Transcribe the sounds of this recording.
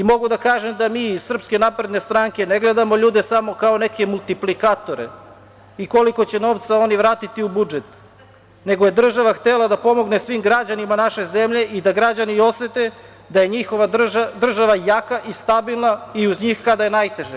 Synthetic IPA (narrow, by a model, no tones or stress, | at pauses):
imo̞ɡud̪akaːʒe̞md̪amiːizsr̩pske̞napɾe̞d̪ne̞st̪ɾaŋke̞neɡle̞d̪amo̞ʎuːd̪e̞samo̞kao̞ne̞ke̞mulˠt̪iplikat̪o̞ɾḛ | iko̞liko̞t͡ɕe̞no̞ːʋt̪sao̞niʋɾaːt̪it̪iubud͡ʒet̪ | ne̞ɡoje̞d̪r̩ʒaʋaxt̪elad̪apo̞mo̞ɡnesʋimɡɾad͡ʑanimanaʃe̞ze̞mʎe̞ʔid̪aɡɾad͡ʑanio̞sʋet̪e̞ | d̪aje̞ɲixo̞ʋad̪r̩ʒaʋajakaʔist̪abilˠnaiuzɲixkad̪aje̞najt̪e̞ʒe